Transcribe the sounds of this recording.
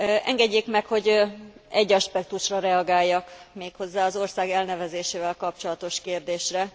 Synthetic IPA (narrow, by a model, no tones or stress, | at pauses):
ɛ̰ŋɡɛɟːeːkmɛkho̞ɟɛɟːɒʃpɛk̚t̪uʃrɒɾɛɒɡaːjːɒkmeːkho̞zːaːɒzo̞rsaːɡɛlnɛvɛzeːʃeːvɛlkɒp̚t͡ʃo̞lɒt̪o̞ʃkeːrd̪eːʃrɛ